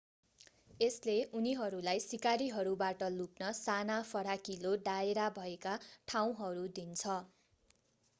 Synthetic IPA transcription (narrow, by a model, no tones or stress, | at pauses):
esleuniɦʌɾulajsikaɾiɦʌɾubaʈʌluknʌsanapʰʌɽakiloɖaeɾabʱʌekaʈʰaw̃ɦʌɾud̪int͡sʰʌ